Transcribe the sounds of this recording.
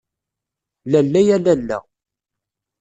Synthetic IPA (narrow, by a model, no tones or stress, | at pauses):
lælːæjælælːæ̰